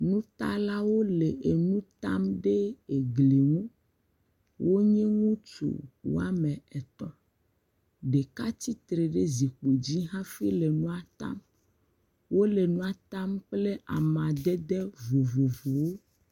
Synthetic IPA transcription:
nũ˦t̪a̰˦la˦wo˦le˨ʔe˨nũ˦t̪a˦mɖe˦e˨ɡle˨ŋũ˦ | wʔo˦ɲɛ̃˦ŋũ˦t͡ʃṵ˨wo̰˦a˦mɛ̃˨ɛ˨t̪ɔ̃˦ | ɖe˨ka˦t̪i˦t̪ɾe˨ɖe˦zi˨k͡po˨d͡ʑi˦ɦã˦fi˦le˨nũ˦a˨t̪a̰˦m | wo˦le˨nũ˦a˨t̪a˦mk͡ple˦ʔa̰˨mã˨d̪ɛ˦d̪ɛ˦vo˨vo˨vo˨wo˦

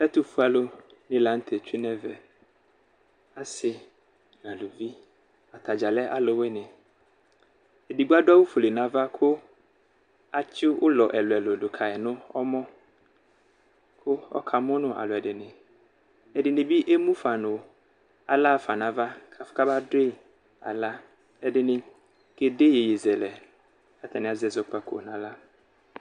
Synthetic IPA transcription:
ɛ˦t̪ʊ˨fu˦a˨lo˦ | nɪ̃˦la˨˦n̩˦t̪ʰɛ˨t͡ɕᶣi˦nɛ̃˦vɛ˨ | a˨sɪ˨ | nã˨lo˨vi˦ | a˨t̪ʰa˨d͡ʑa˨lɛ˦ʔa˦lo˨wɛ˦nɪ̃˨ | e˨di˨ɡ͡bu˦a˦da˦wʊ˦fu˨le˨nã˨va˦kʰʊ˦ | a˨t͡ʃʰɪ˦wʊ˦lɔ˨ʔɛ˨lʊ˨ɛ˨lo˨dʊ˨kʰa˨ɛ˨nʊ̃˦ɔ˦mɔ̃˦ | kʰʊ˦ɔ̰˦kʰa˨mʊ̃˦nʊ̃˨ʔa̰˨lʊ˨ɛ˨dɪ˨nɪ̃˨ | ɛ˨dɪ˨nɪ̃˨bi˦ʔe˦mũ˦fa˨nʊ̃˨ | a̰˨la˦˨fa˨nã˨va˦kʰa˨fka˦ba˦de˦˨ | a̰˨la˦ | ɛ˨dɪ˨nɪ̃˨ | ɡ̥e˨de˦je˨je˨zɛ˨lɛ˨ | a˦t̪ʰɛ˨nɪ̃˨a˨zɛ˨zɔ˨k͡pa˨kʰo̰˨nã˨la˦

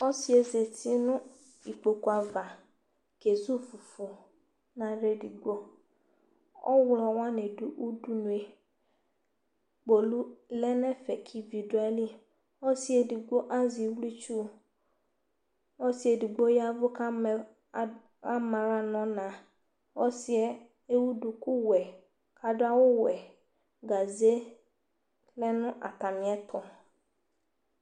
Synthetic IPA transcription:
ɔ˦si˦e˨ze˨ti˦nʊ̃˦ | i˨k͡po˨ku˨a˨va˨ | ke˨zu˦fu˨fu˨ | nã˨ɾe˦di˨ɡ͡bo˦ | ɔ̰˦wlɔ˨wa˦ne˨du˨ʔu˦du˦nũ˨e˨ | k͡po˨lu˦lɛ˦nɛ˦fɛ˨kʰi˨vi˨du˨˦ɛ˦li˦ | ɔ˦si˦e˨di˨ɡ͡bo˦ʔa˦zi˨˦wli˦t͡ʃu˦ | wo˦si˦ɛ˨di˨ɡ͡bo˦ja˦vʊ˦ka˦˨ | a˦mã˨ɾa˦nɔ̃˨˦nã˨ | wɔ˦si˦ɛ˨ | e˦wu˦du˨ku˦wɛ˨ | ka˨dʊ˦a˦wo˦wɛ˨ | ɡa˨ze˦ | lɛ˦nʊ̃˦ʔa̰˨t̪a˨mĩ˨˦ɛ˦t̪ʰɔ˨

